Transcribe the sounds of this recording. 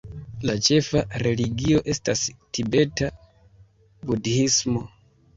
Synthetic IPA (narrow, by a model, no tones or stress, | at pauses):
lat͡ʃe̞faɾe̞liɡio̞ʔe̞stastibe̞ta | budiismo̞